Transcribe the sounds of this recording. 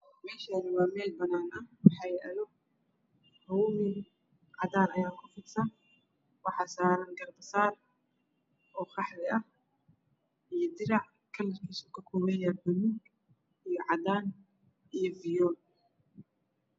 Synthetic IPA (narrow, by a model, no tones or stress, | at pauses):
mɛːʃaːnɪwɑːmɛːlbɐnaːnɐhwɑħɑjʔɐlɔ | hɔwmɪn | ʕɑðaːnɐjaːkʰʊfɪdsɐn | wɑħɑːsaːɾɐnɡɐrb̪ɐsaːr | ʔɔːχɑħlɪʔɐh | ʔijɞd̪ɪɾɑʕ | kʰɐlːɐrkʰiːsɔ̥kʰɐkʰɔːβɛjabɐnuɡ | ijɔʕɑdaːn | ijɔvɪjɔːl